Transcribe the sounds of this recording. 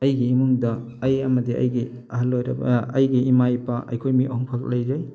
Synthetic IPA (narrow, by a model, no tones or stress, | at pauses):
ɐjɡiimuŋdɐː | jɐmɐdiɐ̰jɡi | aɦalːojɾɐ̰b̰ɐjɡiimajpaʔɐ̰jkʰojmiʔɔɦɔŋpʰak̚lɐjzaj